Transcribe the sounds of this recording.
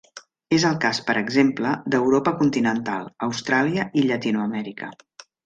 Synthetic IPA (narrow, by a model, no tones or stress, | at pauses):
ezəlˠkaspəɾəɡzempləd̪əwɾopəkunt̪inənt̪alˠəwst̪ɾaliəʔiʎət̪inuəmɛɾikə̰